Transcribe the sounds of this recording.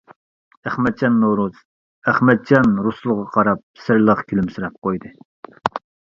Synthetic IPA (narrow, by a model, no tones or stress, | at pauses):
æχmɛt̪̚t͡ʃɑnːowɾuz̥ | æχmɛt̪̚t͡ʃɑnɾuslˠəʁɑqʰɑɾɑp̚sɪɾlˠəqkʲʰylymsyɾɛp̚qojd̪ɨ